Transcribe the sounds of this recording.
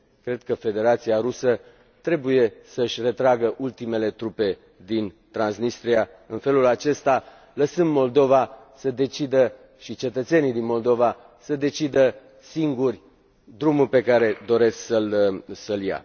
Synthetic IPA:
kɾe̞d̪̚kəfe̞d̪e̞ɾat̪siaɾusə | t̪ɾe̞buje̞səɨʃʲre̞t̪ɾaɡəʔult̪ime̞le̞t̪ɾupe̞ | d̪in | t̪ɾansnist̪ɾia | ɨnfe̞lulat͡ʃe̞st̪a | ləsɨmmo̞ld̪o̞va | səd̪e̞t͡ʃid̪ə | ʃit͡ʃe̞t̪ət̪se̞nijd̪inmo̞ld̪o̞va | səd̪e̞t͡ʃid̪ə | siŋɡurʲ | d̪ɾumurʲpe̞kaɾe̞d̪o̞ɾe̞sksəlsəlja̰

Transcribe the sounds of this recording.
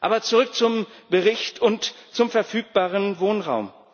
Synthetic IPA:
ʔa̰ːbɐt͡suʁʏk̚t͡sʊmb̥əʁɪçtʰʊntt͡sʊmfɛɐfyːk̚b̥aːʁənvoːnʁa̰ʊm

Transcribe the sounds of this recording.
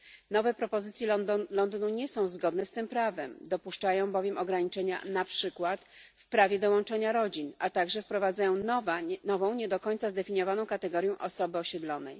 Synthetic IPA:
nɔvɛpɾɔpɔzɘt̪sʲjɛlɔnd̪ɨnuɲɛsɔ̃w̃zɡɔd̪nɛst̪ɘmpɾavɛmd̪ɔpuʂt͡ʂajɔ̃w̃bɔvʲjɛmʔɔɡɾaɲit͡ʂɛɲa̰napʂɘkwat̪fpɾavʲjɛd̪ɔwɔnt͡ʂɛɲaɾɔd͡ʑinʔat̪aɡʐɛfpɾɔvad̪zajɔ̃w̃nanɔvɔ̃w̃ɲɛd̪ɔkɔɲʲt̪sazd̪ɛfʲiɲjɔvanɔ̃w̃kat̪ɛɡɔɾjɔ̃w̃ʔɔsɔbɘɔɕɛd̪lɔnɛj

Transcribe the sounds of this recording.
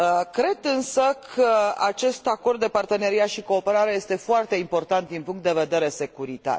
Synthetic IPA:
kɾe̞d̪ɨnsəkʰəat͡ʃe̞st̪ako̞rd̪ːe̞part̪e̞neɾiat̪ʃiko̞ːpe̞ɾaɾe̞je̞st̪e̞foart̪e̞impo̞rt̪ant̪d̪inpuŋkt̪̚d̪e̞ve̞d̪e̞ɾe̞se̞kuɾit̪a̰r

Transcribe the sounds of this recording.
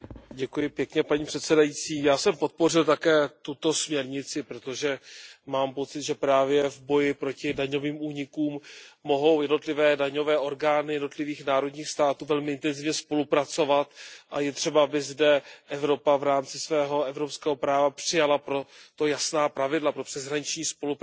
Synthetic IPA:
ɟɛkujɪpjɛkɲɛpaɲiːpr̝̥ɛt̪sɛdajit͡siːjaːsɛmpo̞t̪̚po̞r̝ɪlt̪akɛːt̪ut̪o̞smɲɛɾɲɪt͡sɪpɾo̞t̪o̞ʒɛmaːmpo̞tt͡sɪt̪ʒɛpɾaːvjɛvbo̞jɪpɾo̞cɪdaɲo̞viːmuːɲɪkuːmːo̞ɦo̞wjɛdno̞t̪lɪvɛːdaɲo̞vɛːʔo̞ɾɡaːnɪjɛdno̞t̪lɪviːxnaːɾo̞dɲiːxst̪aːt̪uːvɛlmɪʔɪnt̪ɛnzɪvɲɛspo̞lupɾat͡so̞vat̪ʔajɛt̪r̝̥ɛbaabɪzdɛʔɛvɾo̞pavɾaːmt͡sɪsvɛːɦo̞ɛvɾo̞pskɛːɦo̞pɾaːvapr̥ɪjalapɾo̞t̪o̞jasnaːpɾavɪdlapɾo̞pr̥ɛzɦɾaɲɪt͡ʃɲiːspo̞lup

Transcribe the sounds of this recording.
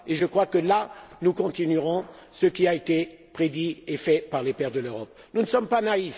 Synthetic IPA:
eʒəkχwakəlanukɔ̃t̪inyʁɔ̃səkʲiaet̪epχed̪iefɛpaʁlepɛʁd̪əløʁɔp̚ | nunəsɔmpanaif

